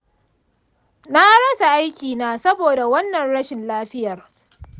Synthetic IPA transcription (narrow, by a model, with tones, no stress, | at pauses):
na˦ɽɐ˦sa˨ʔa˦jkʲiː˨naː˦sɐ˦boː˨da˨wɐ˦nːɐ˨nɽɐ˦ʃɪ˨nlaː˦ɸɪ˦jɐ˨r